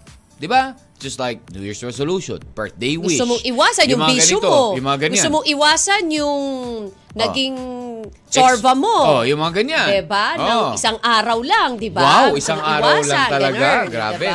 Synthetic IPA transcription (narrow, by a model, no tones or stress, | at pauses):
d̪ɪbḁ | d͡ʒ̥ɐst̪lajk̚nṵjɪɹsɹɛsoluʃɔ̰̃npɛɹθd̪ejwɡʊsɪt̪ʊmoʔɪwaːsɐnjʊŋmbiːɡɐsomojʊmɐŋaɡɐnɡʊst̪ʊmoŋʔɪwaːsɐnjʊŋ | nɐɡɪŋ | t͡ʃaɹvɐmoojʊŋmɐŋaɡɐɲaɛbanowʔɪsaŋʔaːɾɐwlaŋd̪ɪbawawɪsaŋaːɾwɐawlaat̪ɐlɐɡaɡɾa̰ːbɛ